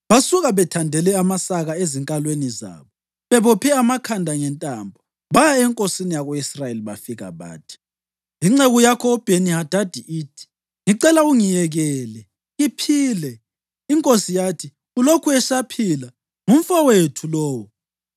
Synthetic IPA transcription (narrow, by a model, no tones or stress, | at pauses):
βasuɣaβɛtʰandʱɛlɛamasaɣaeziŋkʼalweniza̰ːβɔ | βɛβɔpʰɛamakʰandʱaŋɛntʼambʱɔ | βajaɛŋkʼosinijaɣoisrajeliβafiɣa̰βa̰ːtʰi̥ | iŋ͡ǀeɣɔjakʰɔɔb̥ʱenihad̥ʱad̥ʱiʔiːtʰi̥ | ŋiǀɛlauŋijɛɣɛlɛ | ɣipʰiːlɛ | iŋkʼosijatʰi | ulokʰuɛʃapʰila | ŋum̩fawetʰulɔːwɔ